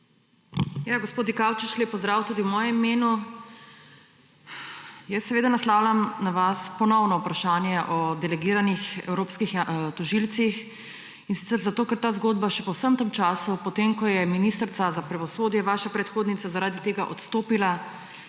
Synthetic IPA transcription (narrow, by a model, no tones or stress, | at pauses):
jaɡospoːd̪d̪ikawt͡ʃit͡ʃleːpɔzd̪ɾaːwt̪uːd̪iwmɔːjɛmimeːnu | jɛsːɛʋeːd̪anaslawlʲamnaʋaspɔnɔwnɔupɾaʃaːnjɛʔɔd̪ɛlɛɡiːɾanixɛ̰wɾoːpskixt̪ɔʒilt̪six | insit̪sɛɾzat̪oːkɛɾt̪aːzɡoːd̪̚baʃɛpɔwsəmt̪əmt͡ʃaːsupɔt̪eːmkɔjɛminist̪ɾt̪sazapɾaʋɔsoːd̪jɛʋaːʃapɾɛt̪xoːd̪nit̪azaɾaːd̪it̪eːɡaʔɔt̪st̪oːpila